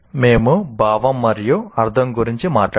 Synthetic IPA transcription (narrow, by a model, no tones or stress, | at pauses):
me̞ːmubaːʋɐmːɐɾjuɐɾd̪ʱɐmɡuɾiɲt͡ʃimaːʈː